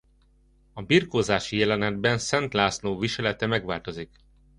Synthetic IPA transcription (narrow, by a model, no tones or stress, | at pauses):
ɒbirkoːzaːʃijɛlɛnɛd̪bɛnsɛnt̪laːsloːviʃɛlɛt̪ɛmɛɡʋaːlt̪o̞zik